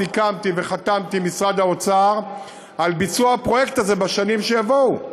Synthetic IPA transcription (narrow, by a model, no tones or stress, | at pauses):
ikamt̪iveχat̪amt̪imisʁad̪aot͡saʁ | albit͡suaapʁo̞jekt̪aze̞baʃanimʃejavou